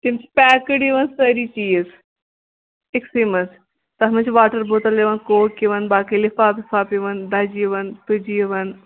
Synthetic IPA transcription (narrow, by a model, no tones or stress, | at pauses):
t̪imt͡ʃʰi̥pʲɛːkɨɖiʋɐnsɐɾiːt͡ʃiːz | eksimɐs | t̪ɐɦmɐt͡ʃʰʋaːʈɐɾbot̪ɐleʋɐnkoːkiʋɐnbaːkilifaːpifʰaːpiʋɐnd̪ad͡ʒiʋɐnt̪ɨd͡ʒijʋɐn